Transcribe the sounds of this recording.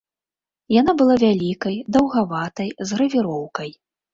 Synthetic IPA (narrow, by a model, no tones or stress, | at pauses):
janabɨlˠavʲalʲikɐjd̪ɐwɣavat̪ɐjzɣɾɐvʲiɾɔwkɐj